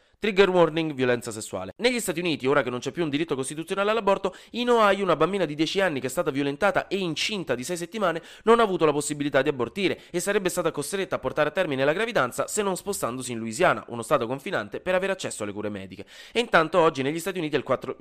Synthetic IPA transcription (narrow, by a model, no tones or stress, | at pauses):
t̪ɾiɡerwɔrniŋɡvjolɛnt̪sasesːua̰ːlḛneʎːist̪aːt̪iuniːt̪ioːɾakenːont͡ʃɛpːjuːnd̪iɾit̪ːokost̪it̪ut̪sjonaːlealabːɔrt̪oinoajunabambiːnad̪id̪jɛːt͡ʃianːik̟ɛst̪aːt̪avjolent̪aːt̪aʔeint͡ʃint̪ad̪isɛjs̬et̪ːimaːne | nonaːvuːt̪olaposːibilit̪ad̪iabːort̪iːɾeesːaɾɛbːest̪aːt̪akost̪ɾet̪ːaːpːort̪aːɾeat̪ːɛrminelaɡɾavid̪ant̪sasenːonspost̪and̪osiːnluizjaːna̰ʔṵnost̪aːt̪okoɱfina̰nt̪epeɾaveːɾeat͡ʃːɛsːoalːekṵːɾemɛ̰ːd̪ik̟eint̪ant̪oɔd͡ʒːineʎːist̪at̪iuniːt̪ialkwat̪ːɾo